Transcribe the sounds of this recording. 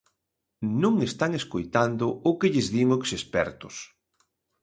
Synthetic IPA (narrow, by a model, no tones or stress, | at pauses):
nũŋest̪aŋeskojt̪and̪ʊʊkɪʎɪzðiŋoksespɛ̰ɾt̪ʊs